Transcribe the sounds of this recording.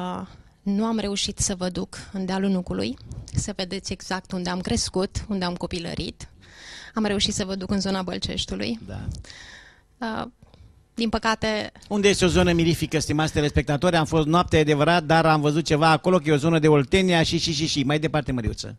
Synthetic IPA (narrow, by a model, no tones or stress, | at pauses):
nuamɾe̞uʃit̪səvəd̪ukɨnd̪ealunukulṵjsəve̞d̪e̞t̪sʲe̞ɡz̥ak̚t̪und̪e̞amkɾe̞skut̪und̪eamko̞pilə̰ɾḭt̪ | amɾe̞uʃit̪səvəd̪ukɨnzo̞nabə̰lt͡ʃe̞̰ʃt̪ulṵjd̪a̰ | ə | d̪inpəkat̪e̞und̪eje̞st̪eo̞zo̞nəmiɾifikəst̪imat̪sd̪elespek̚t̪at̪oɾʲamfo̞st̪noap̚t̪ead̪e̞vəɾat̪̚d̪aɾamvəzut̪̚t͡ʃe̞vaːko̞lo̞kəjeozo̞nəd̪e̞olt̪eneaʃiʃiʃiʃimajd̪e̞part̪e̞məɾḭṵt̪sə̰